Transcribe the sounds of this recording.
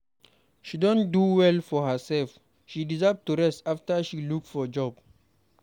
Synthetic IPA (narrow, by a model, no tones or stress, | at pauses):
ʃidɔ̃nduwɛlfɔhəsɛlf | ʃidizɜv̚tuɹɛstaftəʃiluk̚tfɔd͡ʒɔb